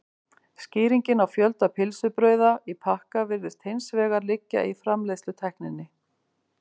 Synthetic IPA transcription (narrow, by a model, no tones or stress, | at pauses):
sciːɾiɲcɪnawfjœlt̪apʰɪlsʏpɾœːɥðaipʰahkavɪɾðɪst̪hejnsvɛːɣaɾlɪcːa̰ʔifɾamlejslʏt̪ʰɛhknɪnːɪ